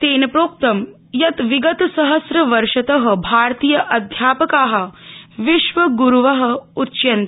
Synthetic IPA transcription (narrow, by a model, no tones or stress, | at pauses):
t̪eːnɐpɾoːp̚t̪ɐm | jɐt̪ʋiɡɐt̪sɐɦɐsɾɐʋɐɾʂɐt̪ɐɦɐ̆bʱaːɾt̪iːjɐʔɐd̪ʱjaːpɐkaːɦɐ̆ʋiʃʋɐɡuɾuʋɐɦɐ̆utːʃɐnt̪